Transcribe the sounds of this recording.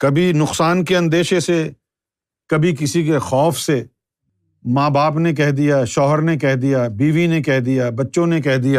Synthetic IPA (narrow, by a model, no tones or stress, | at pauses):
kɐbʱinʊqsaːnkeɐ̃nd̪eːʃese | kɐbʱik̬ɪsikexɔːfse | mãːbaːpnek̬ɛɦd̪ijaʃɔːɦəɾnekɛɦd̪ijabiːʋinekɛɦd̪ijabɐtːʃõnek̬ɛɦd̪ijaː